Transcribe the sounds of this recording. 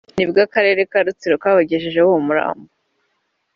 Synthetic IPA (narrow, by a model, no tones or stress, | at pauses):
nibɡakaɾe̞ːɾe̞kaɾut͡siɾokaβaɟeʒeʒewoomuɾa̰ːmbo